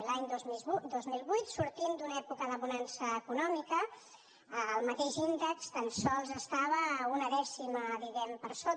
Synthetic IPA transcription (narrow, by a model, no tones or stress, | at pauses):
laɲd̪ozd̪ozmilˠβujt̪suɾt̪imd̪unɛpukəðəβunansəːkunɔmikəː | lˠmət̪eʃind̪əkst̪ənsɔlˠzəst̪aβ̞əunəðɛsiməðiɣɛmpəɾso